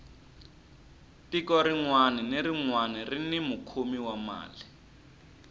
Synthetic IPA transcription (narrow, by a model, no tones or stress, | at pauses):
tikɔɾiŋwanɛneɾiŋwanirinimukʰumiwama̰ːli